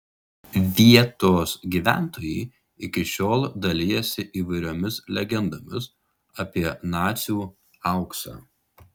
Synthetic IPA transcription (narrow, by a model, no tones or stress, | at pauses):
ʋʲiɛt̪oːsɡʲiːʋʲæ̰ˑnt̪oːjɛɪ | ɪkʲɪʃʲoːlˠd̪ɐlʲɪjɛsʲɪʔiːʋɐɪɾʲoːmʲɪslʲɛɡʲɛnd̪oːmʲɪs | ɐpʲiɛnɑːt̪sʲjuː | ɑˑʊksɑ̰ː